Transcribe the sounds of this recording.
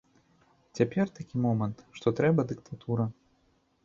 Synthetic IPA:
t͡sʲapʲɛrt̪akʲimɔmɐnt̪ʂt̪ɔt̪ɾɛbɐd̪ɨkt̪ʰat̪uɾɐ

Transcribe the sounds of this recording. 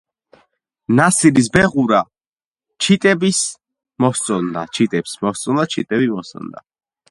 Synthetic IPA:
nasiɾis̬bɛʁuɾa | t͡ʃʰit̪ʼɛbis | mɔst̪sʼɔnd̪a̰t͡ʃʰit̪ʼɛpsmɔst̪sʼɔnd̪at͡ʃʰit̪ʼɛbimɔst̪ʼɔ̰nd̪a̰

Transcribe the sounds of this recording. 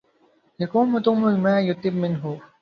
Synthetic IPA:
jakuːnʊt̪ʊmʊlmaːjʊt̪ɪb̚mɪnɦʊ

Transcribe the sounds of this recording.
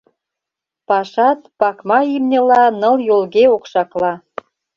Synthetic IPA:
pɑʃɑt̪̚pɑkmɑimnʲɤ̆lɑnɤ̆ljolɣeokʃɑklɑ

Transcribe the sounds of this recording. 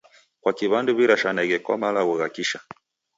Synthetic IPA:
kwakiβanduβiɾaʃanaɣɛkwa̰malaɣuɣakiʃa

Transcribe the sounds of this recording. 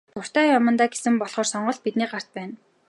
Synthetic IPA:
tʰʊr̥t̪æːjɔmə̆nt̪aːɡesɘ̆mpɔɮχɔːrsɔɴɢɞ̆ɮt̪̚pit̪niːɢar̥t̪̚pæːn

